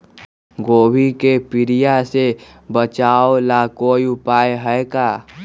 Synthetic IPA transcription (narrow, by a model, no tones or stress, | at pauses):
ɡoːbikepɪɾijase | bət͡ʃaːolaːkojupaːeɦəekaː